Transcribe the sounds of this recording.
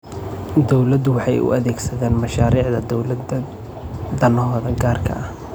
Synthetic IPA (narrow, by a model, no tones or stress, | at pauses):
d̪ɔwlɐd̪ʊwɑħɑjʊ̰ʔɐðɛːɡsɐðaːnmɐʃaːɾiːʕðɐd̪ɔwlɐd̪ɐ | d̪ɐnɔɦɔːðɐɡaːrkʰɐ̰ʔɐh